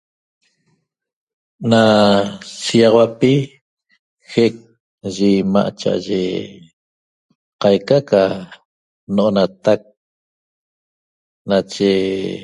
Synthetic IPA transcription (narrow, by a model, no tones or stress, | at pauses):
na | siɑʁɑwapi | xek̚ | ʒima̰ʔt͡ʃa̰ʔa̰ʒḛ | qɑjkaka | noʔonat̪ak̚ | nat͡ʃe